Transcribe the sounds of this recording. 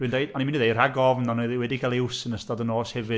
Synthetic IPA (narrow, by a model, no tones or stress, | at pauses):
wɨndejanimɪnðejr̥aɡɔvnanɔðwɛdikʰalˠɪwsənəstadənoːshɛvɨ